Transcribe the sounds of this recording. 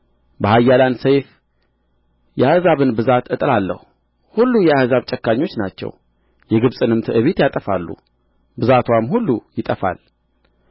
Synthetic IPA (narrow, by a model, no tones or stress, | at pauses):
bəhajːalansejf | jɛahɨzaβɨnbɨzat̪ɨt̪ʼlalːə̰hu | hulːujɛahzaβt͡ʃʼɛkːaɲːo̞t͡ʃːnat͡ʃːɛ̰w | jɛɡɨβsʼɨnɨmt̪ʰɨʔɨβit̪jat̪ʼəfa̰lːṵ | bɨzat̪ʰwamhulːujɪt̪ʼəfa̰l